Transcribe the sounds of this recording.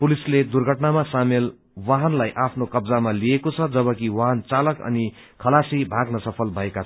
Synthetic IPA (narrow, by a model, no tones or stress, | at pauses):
pulisled̪urɡʱʌʈnamasamel | waɦʌnlajʔapʰnokʌbd͡zamaliekot͡sʰʌd͡zʌβʌkiwaɦʌnt͡salʌkʌ̰ni | kʰʌlasibʱaɡnʌsʌpʰʌlbʱʌekat͡sʰ